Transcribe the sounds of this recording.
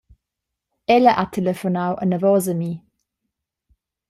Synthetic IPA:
ɛləʔatʰɛlɛfɔnawʔənəvɔzəmi

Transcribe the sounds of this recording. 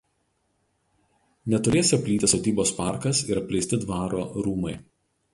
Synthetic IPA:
nʲɛt̪ʊɾʲeːsʲɪɐpʲlʲiːt̪ʲɪsot̪ʲiːboːspɑˑɾkɐsɪɾɐpʲlʲɛɪst̪ʲɪd̪ʋɑːɾoːɾuːmɐɪ

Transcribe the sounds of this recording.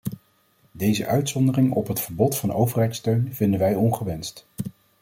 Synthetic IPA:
dejzə̰ʔœɥtsɔndərɪŋɔpɦətfəɹbɔtfɑnowvərɦɛjtstøɥnv̥ɪndənʋɛjɔnχəʋɛnst

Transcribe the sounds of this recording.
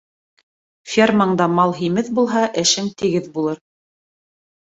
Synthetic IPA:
fʲermɑɴd̪ɑmɑlˠɦimɘðbulˠɦɑʔɘ̆ʃɘŋt̪ɘ̆ɡɘðbulˠɤɾ

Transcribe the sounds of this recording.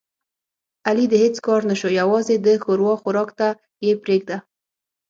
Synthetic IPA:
alid̪əhet͡skɑɾnaʃojawɑzed̪əxoɾwɑxʊɾɑkt̪a | jepɾeɡd̪a

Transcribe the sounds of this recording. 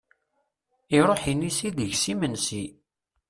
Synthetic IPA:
iɾˤoħinisiðəʝsimənsi

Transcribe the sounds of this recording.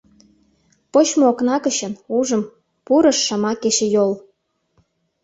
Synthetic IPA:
pot͡ɕmooknɑkəɕə̆nuʒə̆m | puɾə̆ʃːɑmɑkeɕĕjol

